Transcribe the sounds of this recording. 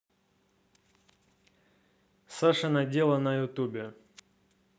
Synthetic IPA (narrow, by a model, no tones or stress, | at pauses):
saʂɐnɐdʲelˠənɐjʊt̪ubʲɪ